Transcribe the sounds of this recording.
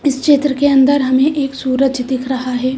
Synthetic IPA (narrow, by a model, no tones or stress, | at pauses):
ɪsʃeːt̪ɾəkeɐ̃nd̪əɾɦɐmẽʔeːksuːɾəd͡ʒd̪ɪkʰɾɐɦaɦɛː